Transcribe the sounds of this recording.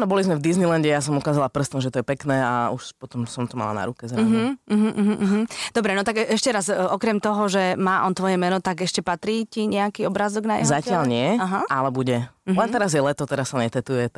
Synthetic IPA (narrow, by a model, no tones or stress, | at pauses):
nɔbɔlizmɛvd̪iznilɛnɟɛjasɔmukaːzalapr̩st̪ɔmʒɛt̪ɔjɛpɛknɛːa̰uʃpɔt̪ɔmsɔmt̪ɔma̰la̰na̰ɾukɛzɾaɦ̩ɦm̩ːm̩d̪ɔbɾɛnɔt̪aɡɛɛʃcɛɾazʔɔkɾɛmt̪ɔɦɔʒɛmaːʔɔnt̪ʋɔjɛmɛnɔt̪aɡɛʃcɛpat̪ɾiːciɲɛakiːɔbɾaːzɔɡnajɛ̰zacɪalɲɪɛaɦaʔalɛbuɟɛlɛnt̪ɛɾazjɛlɛt̪ɔt̪ɛɾasːaɲɛt̪ɛt̪ujɛ